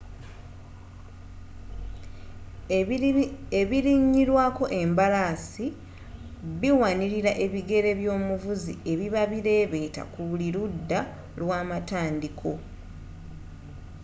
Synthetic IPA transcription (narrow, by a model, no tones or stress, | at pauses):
eβiɾiɲːiɾwaːko̞ʔe̞mbalasi | βiwaniɾiɾaʔe̞βiɡe̞ɾe̞βjo̞ːmuvuzḭe̞βiβaβiɾe̞ːβe̞ːta̰kuβuliɾudːa | lwaːmataːndikʰo̞